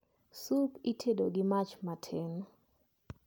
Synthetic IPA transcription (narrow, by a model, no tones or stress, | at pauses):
supitʰedoɡɪmat͡ʃmatʰen